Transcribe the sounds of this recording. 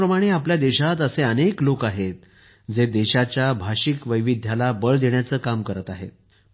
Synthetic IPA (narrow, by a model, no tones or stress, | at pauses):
ɾəmaɽ̃eapljad̪eɕat̪əseəneklokaɦet̪̚ | d͡zed̪eɕat͡ɕjabʱaɕikʋəjʋid̪ʱjalabəɭd̪eɳjat͡səːkamkəɾət̪aɦḛt̪